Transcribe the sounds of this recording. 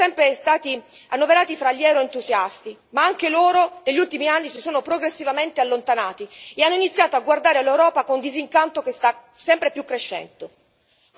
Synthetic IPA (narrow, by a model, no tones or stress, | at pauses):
sɛmpɾest̪aːt̪i | anːoveɾaːt̪ifɾaʎːɛwɾoent̪uzjast̪i | maaŋkeloːɾod̪eʎːult̪imianːisisoːnopɾoɡɾesːivament̪ealːont̪anaːt̪ieanːoinit̪sːjaːt̪oaɡward̪aːɾealːewɾɔːpakond̪iziŋkant̪okest̪asɛmpɾepjukːɾeʃːɛ̰nd̪o